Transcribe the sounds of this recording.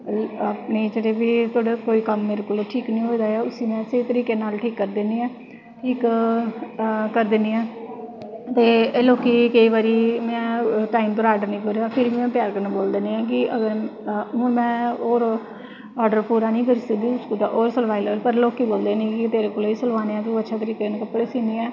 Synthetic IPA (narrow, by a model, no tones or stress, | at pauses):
əpniːd͡ʒəɽeːbiːt̪oːɽakoːiːkəmːeːɾeːkoːloːʈʰiːknĩːɦoːid̪aːaːʊsiːmɛ̃ːseit̪əɾiːkeːnaːlʈʰiːkːəɾd̪eniːɛ̃ː | ʈʰiːk | kəɾd̪ɪːnd̪iːɛ̃ː | t̪eːloːkiːkeiːʋaːɾiːmɛ̃ːʈaːimt̪oːɾaːɖəɾnĩːkoːɾeaːpʰɪɾbiːmɛ̃ːpjaːɾkəɾnaːboːld̪eːneːɛ̃ːkɪʔəɡəɾɦʊnmɛ̃ːoːɾ | ɔːɖəɾpuːɾaːnĩːkəɾiːsək̚d̪iːʊskoːt̪aːʔoːɾsəlʋaːiləːəlpəɾloːkiːboːld̪eːnĩːkɪt̪eːɾeːkoloːiːsəlʋaːneːãːt̪̬oũətːʃʰaːt̪əɾiːkeːnkəpːɽeːsiːniːɛː